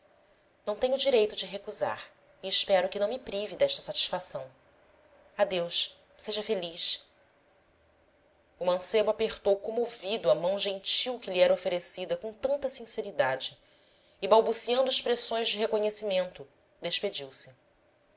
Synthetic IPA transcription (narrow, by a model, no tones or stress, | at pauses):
nɐ̃w̃t̪ẽɲʊd͡ʒiɾejt̪ʊd͡ʒɪɦekuza̰ɾ | iːʃpɛɾʊkɪnɐ̃w̃mɪpɾivid̪ɛʃt̪ɐsat͡ʃi̥ʃfasɐ̃w̃ | ad̪ewʃ | seʒɐfeliʃ | umɐ̃sebʊapeχt̪owkomovid̪ʊɐmɐ̃w̃ʒẽt͡ʃiwkɪliɛɾɐofeɾesid̪ɐkõt̪ɐ̃nt̪ɐsĩseɾid̪ad͡ʒɪ | ɪbawbusiɐ̃nd̪ʊɪʃpɾesõj̃zd͡ʒɪɦekoɲesimẽnt̪ʊ | d̪eʃped͡ʒiwsɪ